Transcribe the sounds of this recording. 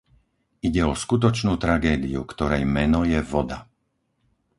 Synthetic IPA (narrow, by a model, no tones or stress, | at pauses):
iɟɛɔskut̪̬ɔt͡ʃnuːt̪ɾaɡɛːd̪ḭṵkt̪ɔɾɛjmɛnɔjɛʋɔd̪a